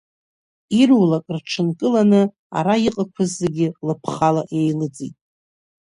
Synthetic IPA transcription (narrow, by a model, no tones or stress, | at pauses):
irwlakʼrʈ͡ʂʰɨnkʼɨlanɨ | a̰ɾaiqʼakʷʰɨzːeɡʲɪlɨpʰχalaʔejlɨd͡zʼḭtʼ